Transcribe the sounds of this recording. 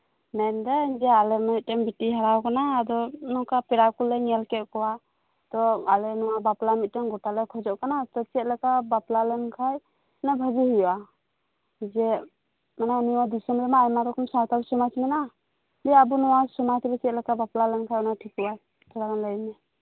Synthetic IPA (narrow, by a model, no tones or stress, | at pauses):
nɛnd̪ɛd͡ʒɛalɛmit̪̚ˀtɛmbiʈiɦaɾawkanaːd̪ɔnɔkapɛɾakulɛŋɛlkɛʔ̪̚kɔwa | t̪ɔalɛnɔwabaplamit̪̚tɛmɡɔʈalɛkʰɔd͡ʒɔʔkanat̪ɔt͡ʃɛt̪̚lɛkabaplalɛnkʰaj | nabʱad͡ʒiɦujɔʔa | d͡ʒɛ | mananiwad̪isɔmɾɛmaːjmaɾɔkɔmsat̪alsɔmat͡ʃmɛna | bɛabunɔwasɔmat͡ʃbɛt͡ʃɛt̪̚lɛkabaplalɛnkʰajɔnaʈʰikuwaj | tʰɛlaɾanləjmɛ